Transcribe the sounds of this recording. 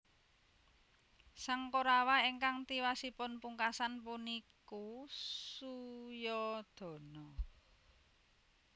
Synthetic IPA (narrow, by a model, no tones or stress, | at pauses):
saŋkoɾawaiŋkaŋt̪iwasipʊnpuŋkasanpunikusujɔd̪̥ɔ̤nɔ